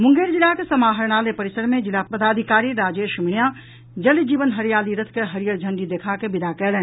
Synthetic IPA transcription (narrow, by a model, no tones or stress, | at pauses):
mʊ̃ŋɡeːɾd͡ʒɪlakesɐmaːɦəɾɽ̃aːlepəɾɪsəɾmẽd͡ʒɪlapəd̪aːd̪ʱikaːɾiɾaːd͡ʒeːɾʃɪmɳija | d͡ʒɐlid͡ʒiːʋənɦəɾijaːliɾət̪ʰkeɦɐɾijəɾd͡ʒʱə̃ɳɖid̪eːkʰakebɪd̪akɛːlɛː